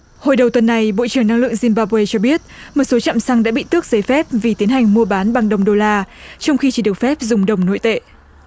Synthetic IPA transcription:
ho˨˩jɗə˨˩wt̪wə˨˩nːa˨˩jɓo̰˧˨t͡ɕɨ˧˩əŋna˧ŋlɨ̰˧˨ə˨ŋzi˧mɓaː˧pwe˧t͡ɕɔ˧ɓi˦˥ət̚mo˨˩t̚so˨˦t͡ɕa̰ː˧˨msa˧ŋɗa̰ː˧˥ɓḭ˧˨t̪ɨ˦˥ək̚zə˨˧˩jfɛ˦˥p̚vi˨˩t̪i˨˦ənɦa˨˩jŋ̟mu˧əɓaː˨˦nɓa˨˩ŋɗə˨˩wŋ͡mɗo˧laː˧t͡ɕɔ˧wŋ͡mxi˧t͡ɕi˧˩ɗɨ˨˩ək̚fɛ˦˥p̚zʊ˨˩ŋ͡mɗə˨˩wŋ͡mno̰˧˥jt̪ḛ˧˨

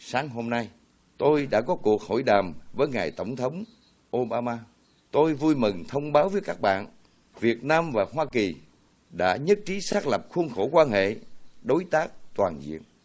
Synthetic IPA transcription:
saː˨˦ŋɦo˧mna˧j | t̪o˧jɗa̰ː˧˥kɔ˨˦ku˨˩ək̚ho̰˧˨jɗaː˨˩mvəː˨˦jŋaː˨˩jt̪ə˧˩wŋ͡mt̪ʰə˨˦wŋ͡m | ʔo˧ɓaː˧maː˧ | t̪o˧jvu˧jmɨ˨˩ŋt̪ʰə˧wŋ͡mɓaː˨˦wvəː˨˦jkaː˦˥k̚ɓa̰ː˧˨n | vi˨˩ət̚naː˧mvaː˨˩ɦwaː˧ki˨˩ | ɗa̰ː˧˥ɲə˦˥t̚t͡ɕi˨˦saː˦˥k̚lə˨˩p̚xu˧ənxo˧˩kwaː˧nhḛ˧˨ɗo˨˦jt̪aː˦˥k̚t̪waː˨˩nzḭ˧˨ən

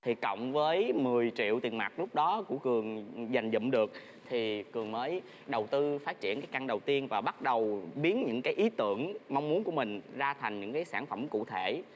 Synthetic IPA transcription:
t̪ʰi˨˩kə̰˧˨wŋ͡mvəː˨˦jmɨ˨˩əjt͡ɕḭ˧˨əwt̪i˨˩ənma˨˩t̚lʊ˦˥k͡p̚ɗɔ˨˦ku˧˩əkɨ˨˩əŋza˨˩jŋ̟zə̰˧˨mɗɨ˨˩ək̚ | t̪ʰi˨˩kɨ˨˩əŋməː˨˦j | ɗə˨˩wt̪ɨ˧faː˦˥t̚t͡ɕi˧˨ənkaː˨˦jka˧nɗə˨˩wt̪i˧ənvaː˨˩ɓa˦˥t̚ɗə˨˩wɓi˨˦ənɲɨ̰˧˥ŋkaː˨˦jʔi˨˦t̪ɨ˧˩əŋma˧wŋ͡mmu˨˦nku˧˩əmï˨˩ŋ̟zaː˧t̪ʰjŋ̟ɲɨ̰˧˥ŋkaː˨˦jsaː˧˩nfə˧˩mkṵ˧˨t̪ʰe˧˩˨

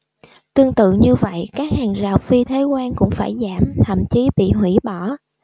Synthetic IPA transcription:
t̪ɨ˧əŋt̪ɨ̰˧˨ɲɨ˧və̰˧˨jkaː˦˥k̚haː˨˩ŋzaː˨˩wfi˧t̪ʰe˨˦kwaː˧nkʊ̰˧˥ŋ͡mfaː˧˩jzaː˧˩mt̪ʰə̰˧˨mt͡ɕi˨˦ɓḭ˧˨ɦwi˧˩ɓɔ˧˩

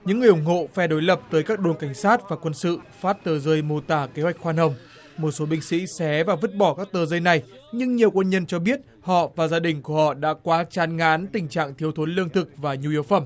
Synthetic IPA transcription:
ɲɨ̰˧˥ŋːɨ˨˩əjʔʊ˨˧˩ŋ͡mhɦo̰˧˨faː˧˩ɗo˨˦jlə˨˩p̚t̪əː˨˦jkaː˦˥k̚ɗo˨˧˩nka˧˩jŋ̟saː˦˥t̚vaː˨˩kwə˧nsɨ̰˧˨faː˦˥t̚t̪əː˧˩zəː˧jmo˧˩t̪aː˧˩ke˨˦hwa˨˩jk̟̚xwaː˧nhə˨˧˩wŋ͡m | mo˨˩t̚so˨˦ɓï˧ŋ̟sḭ˧˥sɛ˨˦vaː˨˩və˦˥t̚ɓɔ˧˩kaː˦˥k̚t̪əː˧˩zəː˧jna˨˩j | ɲɨ˧ŋɲi˨˩əwkwə˧nɲə˧nt͡ɕɔ˧ɓi˦˥ət̚ | hɔ̰˧˨vaː˨˩zaː˧ɗï˨˩ŋ̟ku˧˩əhɔ̰˧˨ɗa̰ː˧˥kwaː˨˦t͡ɕaː˨˦nŋaː˨˦nt̪ï˨˩ŋ̟t͡ɕa̰ː˧˨ŋt̪ʰi˨˦əwt̪ʰo˨˦nlɨ˧əŋt̪ʰɨ˨˩k̚vaː˨˩ɲu˧˨i˨˦əwfə˧˩m

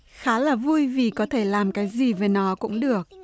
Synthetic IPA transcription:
xaː˨˦laː˨˩vu˧jvi˨˩kɔ˨˦t̪ʰe˧˩laː˨˩mkaː˨˦jzi˨˩ve˨˩nɔ˨˦kʊ̰˧˥ŋ͡mɗɨ˨˩ək̚

